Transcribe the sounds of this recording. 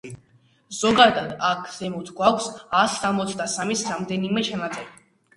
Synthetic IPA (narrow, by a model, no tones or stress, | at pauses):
z̥ɔɡad̪ad̪akʰz̥ɛmut̪ʰɡwakʷʰsasːamɔt̪sʰd̪asamisɾamd̪ɛnimɛt͡ʃʰanat̪zʼɛɾi